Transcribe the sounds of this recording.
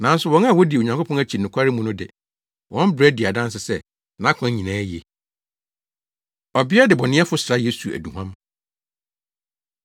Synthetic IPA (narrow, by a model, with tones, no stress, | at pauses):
nã˨˦n̩˦sʊ˨wɔ̃˦na˦˨wɔ˦di˨o˨ɲã˨ŋkʰo˦pʰɔ̃˦næ˦t͡ɕʰi˨nʊ̃˨kʰʷa˦ɾɪ˦mũ˦nʊ̃˦dɪ̰˨ | wʔɔ̃˦m˦bɾɛ˦di˨a˨dã˦n˦s̬ɪ˨sɛ˦ | nã˨˦kʷʰã˨˦ɲĩ˨nãː˨˦je˨ | ɔ˨bɪ˦a˦dɪ˨bɔ˨nɪ̃˦ɛ˦fʊ˦sɾa˦je˦su˨æ̰˨dũ˨hã˦m